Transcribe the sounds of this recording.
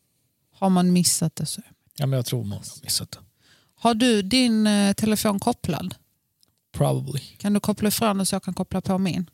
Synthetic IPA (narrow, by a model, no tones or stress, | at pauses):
haɾmanmɪsːat̪̚d̪ɛsɔ | jamɛnjat̪ʰɾṵːɾma̰nmɪsːat̪̚d̪ɛ | haɖɵd̪ɪnt̪ʰɛlɛfoːnkʰɔpːla̰d̪ | pʰɾɑ̰bəblɪkʰand̪ɵkʰɔpːlafɾoːnɔsjɑːɡ̚kʰankʰɔpːlapʰɔmɪn